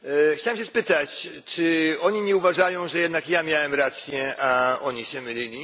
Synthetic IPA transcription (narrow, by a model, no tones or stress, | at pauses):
xt͡ɕawɛmɕ̬ɛspɘt̪at͡ɕ | t͡ʂɘɔɲiɲɛuvaʐajɔ̃w̃ʐɛjɛd̪nakjamʲjawɛmɾat̪sʲjɛaɔɲiɕɛmɘlʲilʲi